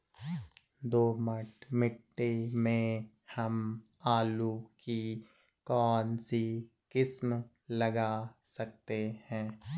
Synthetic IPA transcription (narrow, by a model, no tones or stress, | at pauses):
d̪oːmɐʈmɪʈːemẽ | hɐm | aːluki | kɔːnsi | kɪsm | lɐɡasɐk̚t̪ehɛ̃ː